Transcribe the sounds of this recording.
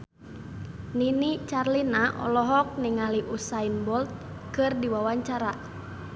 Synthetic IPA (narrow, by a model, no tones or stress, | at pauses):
ninit͡ʃarlinaʔɔ̰lɔɦɔk̚niŋaliʔusainbɔlt̪̚ | kɨrdiwawaɲt͡ʃaɾa